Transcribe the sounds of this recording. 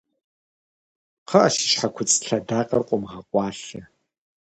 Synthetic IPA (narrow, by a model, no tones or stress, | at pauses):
qʰəʔɐʃɪ̥ʃħakʷʰʊt͡sʼɬɐdaːqʼɐrqʷʼʊmʁɐqʷʼɑːɬɐ